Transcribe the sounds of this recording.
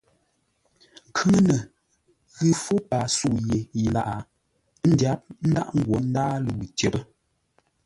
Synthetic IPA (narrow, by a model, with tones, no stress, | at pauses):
ŋ̩˨kʰʉ˦ŋ˦nə˨ | ɣɨ˦fo˦pa˨su˦˨je˨i˨la˨ʔa˨˦ | n̩˦dja˨˦p̚n̩˦da̰˦ʔŋ̩˦ɡwɔ˨˦n̩˦daː˦lu˨wtjə˨bə˦